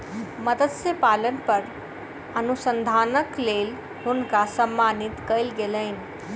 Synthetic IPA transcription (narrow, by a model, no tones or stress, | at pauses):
məd̪əd̪sepalənpəɾ | ənusənd̪ʱanəklel | ɦunkasəmːanit̪kəjlɡeləɪni